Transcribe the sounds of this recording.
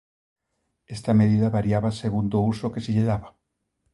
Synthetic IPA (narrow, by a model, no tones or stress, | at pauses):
est̪ameð̞iðaβaɾjaβaseɣund̪ousokeseʎeðaβa